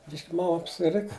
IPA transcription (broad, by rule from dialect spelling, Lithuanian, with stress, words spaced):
ˈbʲɪʃʲkʲ ˈmɐm ɐpʲsʲɪˈrʲɪkɐ